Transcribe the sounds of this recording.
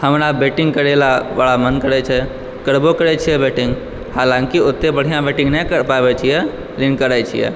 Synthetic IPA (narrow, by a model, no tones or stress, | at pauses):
həmɾabeʈiŋɡkəɾelabaɭamənkəɾɛt͡ʃʰɛ | kəɾbokəɾɛt͡ʃʰijɛbeʈĩŋɡ | halãŋkiot̪ːebəɽ̤ijãbeʈĩŋɡnɛkəɾpabɛt͡ʃʰijɛ | linkəɾɛt͡ʃʰḭjɛ̰